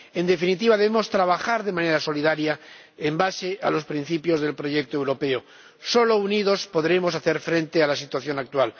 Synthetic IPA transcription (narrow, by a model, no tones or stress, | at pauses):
e̞nd̪e̞finit̪iβaðe̞βemo̞st̪ɾaβaxaɾðe̞mãne̞ɾaso̞liðaɾja | embase̞a̰lo̞spɾin̟θipjo̞zðe̞lpɾo̞ʝek̚t̪oewɾo̞pe̞o | so̞lo̞uniðo̞spo̞ðɾe̞mo̞saθe̞ɾfɾe̞nt̪e̞alasit̪waθjo̞nak̚t̪wal